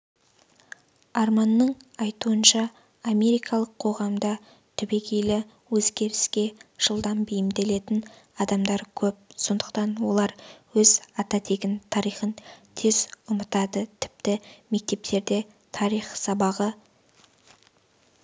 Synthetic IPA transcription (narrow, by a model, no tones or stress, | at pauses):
ɑɾmɑnːəɴɑjt̪uənʃɑː | me̞ɾijkɑlˠəqʰo̞ʁɑmd̪ɑ | t̪ʰʏbe̞kʲejlɪ | wɵzɡʲe̞ɾɪskʲe̞ʒ̥əlˠd̪ɑmbejɪmd̪e̞le̞t̪ɪn | ɑd̪ɑmd̪ɑɾkʲʰɵp̚so̞nd̪əq̚t̪ɑnwo̞lˠɑɾwɵzɑt̪ɑt̪ʰe̞ɡʲɪnt̪ʰɑɾijχənt̪ʰe̞zʊmət̪ɑd̪ət̪ʰɪ̥p̚t̪ɪme̞k̚t̪e̞p̚t̪e̞ɾd̪e̞ | t̪ʰɑɾijχsɑbɑʁə